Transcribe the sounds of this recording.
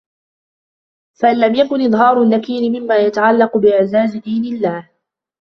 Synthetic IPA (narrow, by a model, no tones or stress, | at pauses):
faʔɪlːamjakʊnʔɨðˤɦɑːɾˤʊnːakiːnɪmɪmːaːjat̪aʕalːɑqʊbɪʔɪʕzaːzɪd̪iːnɪlːaːh